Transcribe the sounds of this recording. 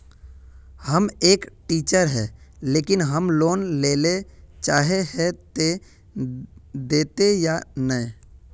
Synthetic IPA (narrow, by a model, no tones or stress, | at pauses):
həmeːkʈiːt͡ʃəɾɦɛːleːkɪnɦəmloːnleːlet͡ʃaːɦeɦɛt̪e | d̪eːt̪ejanə̃